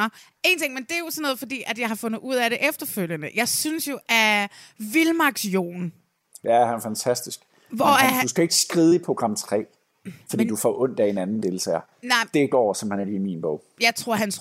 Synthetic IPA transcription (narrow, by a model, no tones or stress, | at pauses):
e̝̰ːnt͡sʰe̝ŋmend̥e̝æjo̝sɔ̽nːɔ̽ːð̩ˠfɒd̥ḭːʔæd̥jɑ̈ɪhɑ̈fɔ̽nðˠuð̞̰ˠæɾe̝ʔefd̥ɐføl̰jənəjɑ̈ɪsynsjo̝ʔæɐʋilmɑ̈ɡ̥sjo̰ːn | jæhænæfænt͡sʰæsd̥isɡ̥ | ʋɒædusɡ̥æe̝ɡ̥əsɡ̥ʁiːð̩ˠəipʰʁo̝ɡ̥ʁɑ̈m̰t͡sʰʁɛ̰ː | fɒdḭːd̥ufɒʔɔ̽n̰d̥æe̝nænn̩d̥e̝lt͡sʰɛ̰ɐ | nɑɪ̰d̥e̝ɡ̥ɒ̰ːsɒ̽m̩hænæɐlḭːiminb̥ɔ̰ʊ̰jɑ̈ɪt͡sʰʁo̝ɐ̰ɦæns